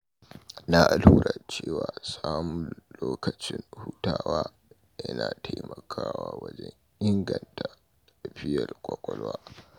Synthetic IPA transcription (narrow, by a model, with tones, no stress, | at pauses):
na˦ʔa˨lhuː˦ɾa˨t͡ʃeː˦˨waː˨saː˦mu˨loː˦kɐ˨t͡ʃɪ˦nhu˦taː˦waː˦ | jɐ˦naː˨ta˦jmɐ˨kʰaː˦waː˦wɐ˦d͡ʒɛ˦ŋ | ʔɪ˦ŋɡɐ˨nta˨ | ta˨ɸɪ˦jɐ˨rkʷʼɔ˦kʷʼɔ˦lwaː˦